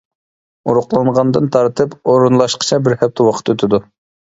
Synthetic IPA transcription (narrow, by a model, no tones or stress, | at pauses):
uɾʊqlˠɑɴʁɑnd̪ɨnt̪ʰɑɾt̪ʰɨpoɾunlˠɑʃqʰə̥t͡ʃʰɛbɪɾhɛp̚t̪ʰɛwɑqʰə̥t̪øt̪ʰɪd̪u